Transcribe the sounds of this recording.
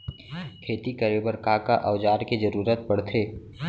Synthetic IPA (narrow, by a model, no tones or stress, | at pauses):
kʰeːt̪ikəɾebəɾkakaʔɐːd͡ʒaːɾkid͡ʒəɾuːɾət̪̚pəɽt̪ʰeː